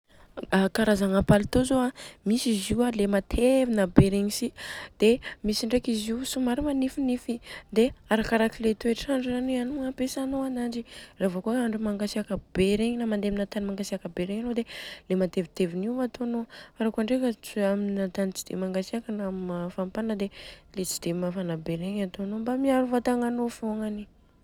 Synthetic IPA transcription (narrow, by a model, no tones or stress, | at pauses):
akaɾazaŋapalt̪ozoamisiziwalemat̪ʰevinabeɾeɲisid̪̥emisiɳɖ͡ʐekiziusumaɾimanifinifid̪eaɾakaɾakilet̪ueʈ͡ʂaɳɖ͡ʐzanianuapesanoanand͡ʒiravokoaɳɖ͡ʐumaŋɡasiakəbeɾeɲinamand̪eminat̪animaŋɡasiakəbeɾeɲanod̪elemat̪evit̪eviniat̪oanoaɾakuaɳɖ͡ʐekat͡siaminat̪anit͡ʃi̥d̪̥ḛmaŋɡasiakənamafampanəd̪elet͡si̥d̪̥emafanabeɾeɲat̪oanombamiaɾuvat̪aŋanofoŋani